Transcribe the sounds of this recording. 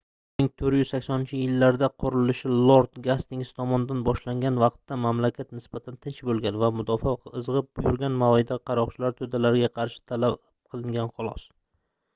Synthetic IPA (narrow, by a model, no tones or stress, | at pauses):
nɪŋt̪ʰɵɾjʏz̥sakʲsɒnɪnt͡ʃʰɪjɪlːaɾd̪aqʰʊɾɪlɪʃɪlˠoɾt̪ɡast̪ɪŋsɪ̥t̪ʰɒmɒnɪd̪anbɒʃlaŋɡʲanvɑqt̪ːamamlakʲat̪nɪsb̥at̪ʰant̪ʰɪnt͡ʃbolˠɡʲanvamʊd̪ɒfɒɨzʁɨp̚bjʊɾɡʲanmaid̪aqʰɑɾɒʁt͡ʃʰɪlaɾt̪ʰɵd̪alaɾɪɡʲaqʰɑɾʃɪ̥t̪ʰalap̚qʰɨlˠɪŋɡʲanχʊlˠɒ̰s